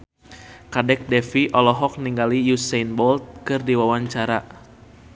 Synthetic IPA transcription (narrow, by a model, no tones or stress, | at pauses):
kadɛk̚dɛfiʔɔlɔɦɔk̚niŋɡalijusajnbɔlt̪̚kɨrdiwawaɲt͡ʃaɾa